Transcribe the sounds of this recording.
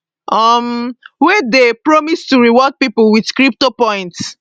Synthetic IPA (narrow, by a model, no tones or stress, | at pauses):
ʔʌmwɛdepɹɔmistuɹiwɔd̚piplwidskɹip̚topɔ̃j̃nts